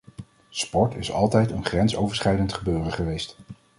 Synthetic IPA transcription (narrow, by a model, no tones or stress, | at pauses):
spɔɹtɪsɑ̰lˠtɛjtənχrɛnsowvəɹsχɛjdəntχəbøːrəχəʋejst